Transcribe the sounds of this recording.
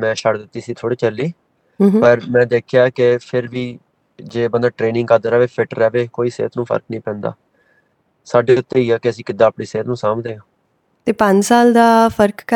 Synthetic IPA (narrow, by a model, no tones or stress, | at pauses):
mɛ̃ːʃəʈd̪ɪt̪ːiːsiːt̪ʰoːɽiːt͡ʃəlːiː | pəɾmɛ̃ːd̪eːkʰjaːkepʰɪɾʋiː | d͡ʒeːbənd̪aːʈɾeːnɪ̃ŋɡkəd̪əɾɛːʋeːpʰɪʈɾɛːʋeːkoːiːsḛːt̪nũːpʰə̰ɾknĩːpɛ̃ːnd̪a̰ː | saːɖeːʊt̪ːeːiːaːkɪəsĩːkɪd̪ːaːpɽiːseːɾnũːsaːmd̪eːãː | t̪eːpə̃ɲd͡ʒsaːld̪aːpʰəɾkː